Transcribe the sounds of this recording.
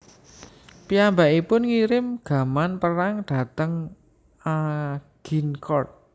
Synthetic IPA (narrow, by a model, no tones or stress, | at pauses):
piambaʔipʊnŋiɾɪmɡ̥a̤manpəɾaŋɖ̥a̤t̪əŋ | aɡ̥inkʰɔrt̪̚